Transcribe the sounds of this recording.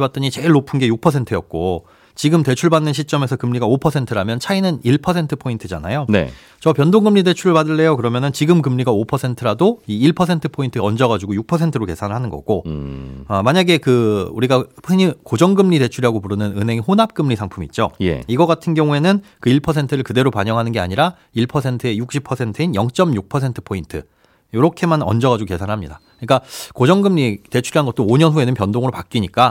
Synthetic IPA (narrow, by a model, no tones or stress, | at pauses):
bat̚t͈ʌɲit͡ɕe̞ɭːopʰunɡe̞juk̚pʰʌsʰe̞ntʰɯjʌt̚k͈o | t͡ɕiɡɯmte̞t͡ɕʰuɭbanːɯnɕʰit͡ɕ͈ʌme̞sʰʌkɯmɲiɡaopʰʌsʰe̞ntʰɯɾamjʌnt͡ɕʰainɯniɭpʰʌs̬ʰe̞ntʰɯ̥pʰointʰɯd͡ʑana̰jonḛ | t͡ɕʌpjʌndoŋɡɯmːide̞t͡ɕʰuɾɯɭpadɯɭːe̞jokɯɾʌmjʌnɯnt͡ɕiɡɯmkɯmɲiɡaopʰʌsʰentʰɯɾadoiːɭpʰʌsʰe̞ntʰɯpʰointʰɯʌnd͡ʑʌɣad͡ʑuɡojuk̚pʰʌsʰe̞ntʰɯɾoke̞sʰanɯɭɦanɯnɡʌ̰ɡ̥o | ʌmaɲaɡe̞kɯuɾiɡapʰɯɲikod͡ʑʌŋɡɯmʎite̞t͡ɕʰuɾiɦaɡopuɾɯnɯnɯnɦe̞ŋihonap̚k͈ɯmʎisʰaŋpʰumit̚t͡ɕ͈ojḛiɡʌɡatʰɯnɡjʌŋue̞nɯnkɯiɭpʰʌsʰe̞ntʰɯɾɯɭkɯde̞ɾopaɲʌŋɦanɯnɡe̞a̰ɲiɾa | iɭpʰʌsʰe̞ntʰɯe̞juk̚ɕ͈ʰipʰʌsʰe̞ntʰɯinjʌŋt͡ɕ͈ʌmjuk̚pʰʌsʰe̞ntʰɯ̥pʰointʰɯ | joɾʌkʰe̞manʌ̰nd͡ʑʌɣad͡ʑuɡoke̞sʰanɯɭɦamɲidakɯɲik͈akod͡ʑʌŋɡɯmʎite̞t͡ɕʰuɾiɦanɡʌt͈̚ooɲʌnsue̞nɯnpjʌndoŋɯɾopak͈̚iɲik͈a